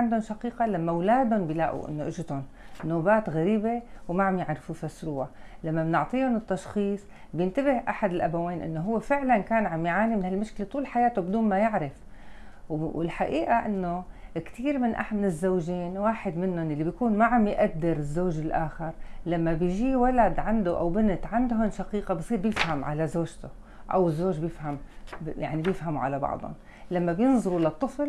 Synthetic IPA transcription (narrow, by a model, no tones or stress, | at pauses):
ʕand̪ʊnʃaqiːqalamːawlaːd̪ʊnbɪlaːʔṵʔɪ̰nːoʔɪʒɪt̪ʊn | nːoːbaːt̪ɣaɾiːbewmaʕamjɪʕɾfufasɾuːʕalamːamɪnʊʕt̪ˤiːʊnɪt̪ːɑʃxiːsˤ | bjɪnt̪abɪhʔa̰ħad̪ɪlʔabaweːnʔɪ̰nːoɦʊwːefɪʕlankaːnʕamjʕaːnimɪnhalmʊʃklet̪ˤuːlħajaːt̪obɪd̪uːnmajɪʕɾɪf | ɪlħaʔiːʔaʔɪ̰nːokt̪iːɾmɪnʔa̰ħmnɪzːoːʒiːnwaːħɪd̪mɪnːʊnjalːibjkuːnmaʕamjʔad̪ːɪɾɪzːoːʒɪlʔaːxɪɾlamːabɪjʒiːwalad̪ʕand̪oʔa̰wbɪnɪt̪ʕand̪ɦʊnʃaqiːqabsˤiːɾbjɪfhamʕa̰lazoːʒt̪ʊ | ʔa̰wɪzːoːʒbjɪfhamja̰ʕnibjɪfhamuʕa̰labɑ̰ʕd̪ˤʊ̰n | lamːabjɪnzˤɑɾulaɑt̪ˤːɨfl